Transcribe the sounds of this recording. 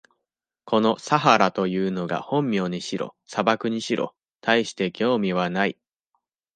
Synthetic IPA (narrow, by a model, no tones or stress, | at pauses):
ko̞no̞saɦaɾat̪o̞jɯ̟ːno̞ɡa̰hõ̞mːʲjo̞ːɲ̟iɕiɾo̞̰sabakɯ̟ɲ̟iɕiɾʔo̞̰ | t̪ʰaiɕi̥t̪e̞kʲo̞ːmʲiβ̞anai